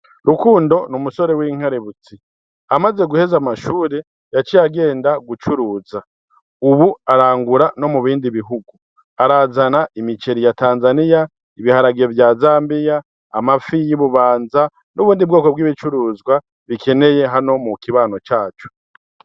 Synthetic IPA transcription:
ɾukuːndo̞numuso̞ɾe̞wiːŋ̥aɾeβut͡si | amaze̞ɡuhe̞zamaʃuːɾe̞ | jat͡ʃijaɡe̞ːndaɡut͡ʃuɾuːza | uβuaɾaːŋɡuɾano̞muβiːndiβiɦuɡu | aɾazanaʔimit͡ʃe̞ɾijataːnzanija | iβihaɾaɡievjaːzaːmbijaː | mafijiβuβaːnza | nuβuːndib̚ɡo̞ːko̞bɡiːβit͡ʃuɾuːzɡwa | βike̞ne̞je̞ɦano̞mukiβaːno̞t͡ʃaːt͡ʃo̥

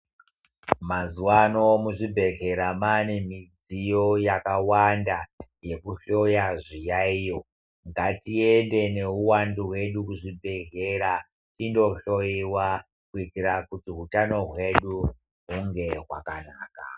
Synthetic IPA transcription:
mazuwano̞muʐibʱe̞ɮe̞ɾamanemid͡zijo̞jakawandaje̞kuɬo̞jaʐijaijo̞ | ŋɡatiende̞ne̞uwanduɦwe̞ɗukuʐibʱe̞ɮeɾa | tindo̞ɬo̞jiwa | kuitiɾakutiɦutano̞ɦwe̞ɗu | ɦuŋɡe̞ɦwa̰kanaːka̰

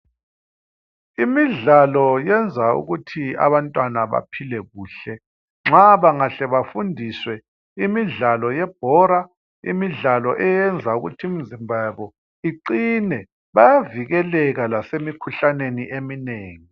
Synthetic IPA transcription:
imiɮalɔjɛnd͡zʱaṵɣutʰia̰βantʼwanaβa̰pʰilɛɣuːɬɛ | ŋ͡ǁaβaŋaɬɛβafundʱiswɛ | imiɮalɔjɛb̥ʱɔɾa | ḭmiɮalɔʔɛjɛnd͡zʱauɣṵtʰium̩zimbʱaβɔ | iǀinɛ | βajaviɣɛlɛɣalasemikʰuɬaneniʔemineːŋi

